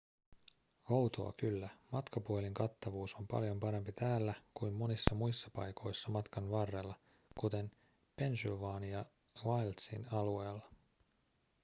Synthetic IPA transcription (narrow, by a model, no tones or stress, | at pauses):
owt̪o̞ɑ̰kylːæmɑt̪kɑpuoliŋkɑt̪ːɑʋuːso̞mpɑ̰ljo̞mpɑɾe̞mpit̪æːlːækujmːo̞nisːɑmujsːɑpɑ̰jkʰo̞jsːɑmɑt̪kɑnʋɑrːe̞lːɑ | kut̪e̞m | pe̞nsylʋɑːnijɑ | ʋɑjlt̪sḭnɑlue̞ːlːɑ